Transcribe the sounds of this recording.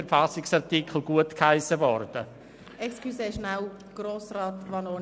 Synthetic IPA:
ɛɾfasɪksɑʁtikʰl̩ɡuətkhaɪsəvɔrd̥ə | ɛkskʰysɛɪʃnaw | ɡ̥ɾoːsraːt̪ʋanoː

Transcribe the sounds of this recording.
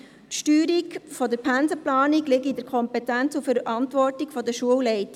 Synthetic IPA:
tʃtyːɾiɡfɔdəɾpʰænzəplɑːniɡlɪɡidəɾkʰɔmpɛtænt͡sufəɾʔɑntʋɔrtiɡfɔdəʃuəwlɛɪt

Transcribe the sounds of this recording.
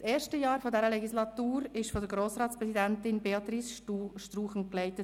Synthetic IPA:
seːɾʃtəjɑːɾfodɛɾəlɛɡislɑt̪uːɾɪʃfɔdəɾɡɾoːsɾɑːt̪spɾɛsidæntɪnbeɑt̪ɾisʃtruːχn̩klɛɪt̪ə

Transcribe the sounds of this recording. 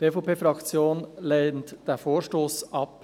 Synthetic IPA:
d̥eːfopeːfɾɑkt͡sjoːnleːntd̥eːfoːʃtoːsʔɑp

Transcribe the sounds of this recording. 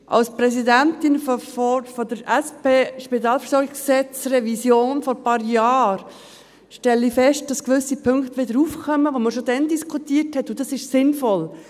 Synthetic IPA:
ʔɑ̰lspɾɛsidæntɪnffɔfɔdəɾɛspeːʃpit̪ɑːlfəɾsɔɾɡɪɡssɛt͡srɛvisjoːnfɔɾpɑːɾjɑːɾ | ʃtɛlːifɛʃt̚d̥ɑskʋʏsipʰɵŋkt̪əʋɪdəɾuːfkœməʋoməɾʃodɛndiskʰutiəthɛtːud̥ɑsɪʃsɪnfɔl

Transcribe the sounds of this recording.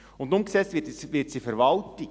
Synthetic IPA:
ʊndʊmksɛt͡stvɪtsʋɪtsifɛɾvɑlti

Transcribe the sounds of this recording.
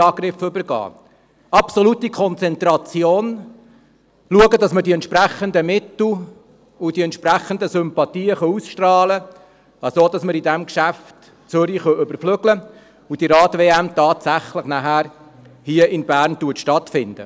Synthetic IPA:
ɑːɡ̥ɾɪfʏbəɾɡɑ̰ː | ɑpsɔlutikʰɔnt͡sɛnt̪ɾɑt͡sjoːn | luəɡədɑsmədiɛnt̪ʃpɾæχənd̪əmɪt̪l̩ | ud̥iɛnt̪ʃpræχənd̪əsʏmpɑt̪iːəχœusʃtrɑːlə | ɑsoːd̥ɑsməɾidɛmkʃæft | t͡sʏɾiχœʔʏbəɾfløɡlə | ud̥iɾɑːt̪veːæmt̪ɑːtsæχləχnæɦæːɾ | hiəʔɪnbæːɾntuətʃtɑt̪fɪndə̰

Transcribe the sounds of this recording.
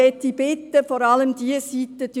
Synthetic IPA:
ɛt̪ːib̥ɪt̪ːəfɔːɾɑləmd̪iəsit̪ːəd̥

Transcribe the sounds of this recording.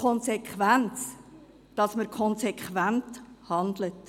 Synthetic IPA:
ɔnsekχʋænt͡s | d̥ɑsməɾkʰɔnsekʰʋænthɑndlət

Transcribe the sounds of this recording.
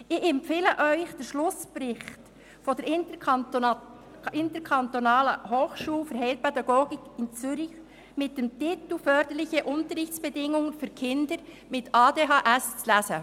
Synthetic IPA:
ɪçɛmpfeːləʔœʏçd̥ɛɾʃlʊspɾɪxt | fodɛɾɪn | ɪntəkʰɑntonɑːləhoːxʃuːlfəɾɦɛɪlpɛdɑɡoːɡɪkɪnt͡sʏɾɪç | mɪt̚d̥ɛmtɪtl̩fœːɾd̥əɾlɪçəʔʊntəɾɪçt͡sb̥ɛdɪŋʊŋəfyːɾkʰɪndəɾ | mɪtʰɑːdeːɦɑʔɛst͡slæsə

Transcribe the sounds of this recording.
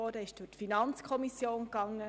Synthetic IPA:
ɔːdɛɪʃd̥ʊtfinɑnt͡skʰɔmisjoːnkɑŋːə

